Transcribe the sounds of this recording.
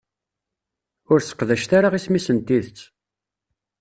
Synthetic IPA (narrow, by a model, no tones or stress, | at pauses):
ʊɾsə̥qːðæʃt̪aɾaʁismisənt̪iðət͡sː